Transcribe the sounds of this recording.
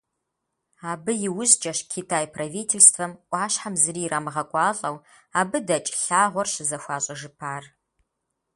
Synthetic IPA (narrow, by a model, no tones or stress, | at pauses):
aːbɨjɪwʊʑd͡ʒʼɐɕkʰitʰaːjpʰrɐviːtʰelstʰfɐmʔʷʼɑːɕħamzɨriːraːmɨʁɐkʷʼɑːɬʼɐw | aːbɨdɐt͡ʃʼɬaːʁʷɔrɕɪzɐxʷɑːɕʼɐʒɨpʰaːr